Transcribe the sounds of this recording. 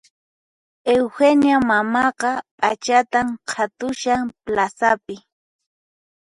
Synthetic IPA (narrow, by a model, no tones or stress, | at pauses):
ewxenjamamɑqɑpʼat͡ʃat̪amqʰat̪ʊʃaŋplasapɪ